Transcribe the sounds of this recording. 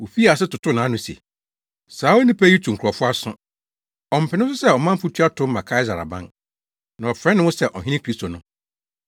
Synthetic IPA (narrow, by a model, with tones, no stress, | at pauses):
wo˨fi˦a˨sɪ˦tʊ˨tʰʊ˦nãː˨˦nʊ̃˦sḛ˨ | saː˨˦wo˦nĩ˦pɛ˦i˦tʰũ˨ŋ̩˨kʰu˨ɾɔ˨fʊ˦a˦sʊ̰̃˦ | ɔ˨m̩˨pʰɪ˨nɪ̃˦sʊ˦sɛ˦ɔ˨mã˦m̩˦pu˦tʰɥa˦tʰʊ̃˦mã˨kʰa˦ɪ˦za˨ɾa̰˨bã̰˦n | nã˨ɔ˨fɾɛ̃˦nɪ̃˦wʊ̃˦sɛ˦ʔɔ˨ɦĩ˦nɪ̃˦kʰɾi˦sto˨nʊ̃˦